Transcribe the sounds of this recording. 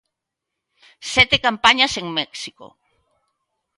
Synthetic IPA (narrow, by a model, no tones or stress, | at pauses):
sɛt̪ekampaɲaseŋmɛksiko̰